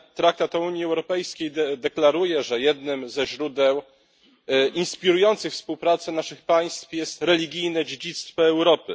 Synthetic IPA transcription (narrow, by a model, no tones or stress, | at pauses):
t̪ɾakt̪at̪ɔuɲjiɛwɾɔpɛjskʲejd̪ɛklaɾujɛʐɛjɛd̪nɘmzɛʑɾud̪ɛw | ʔinspʲiɾujɔnt̪sɘxfspuwpɾat̪sɛnaʂɘxpaj̃st̪fjɛst̪ɾɛlʲiɡʲijnɛd͡ʑed͡ʑit̪st̪fɔɛwɾɔpɘ̰